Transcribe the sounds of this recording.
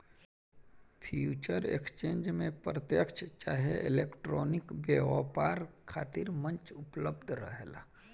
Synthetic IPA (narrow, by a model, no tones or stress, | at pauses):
pʰjuːt͡ʃəɾḛkst͡ʃẽːnd͡ʒmẽpɾət̪jəkʃt͡ʃaːɦeʔɪleːkʈɾɔːnɪkbjeːʋapaːɾkʰaːt̪ɪɾmə̃nt͡ʃʊpləbd̪ʱɾə̰ɦela̰ː